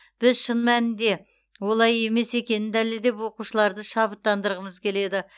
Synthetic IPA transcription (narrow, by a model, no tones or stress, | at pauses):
b̥ɪzʃənmænɪnd̪e̞ | wo̞lˠɑje̞me̞se̞kʲe̞nɪnd̪æleld̪e̞pwo̞quʃəlˠɑɾd̪əʃɑβət̪ːɑnd̪əɾʁəməzkʲʰe̞le̞d̪ɪ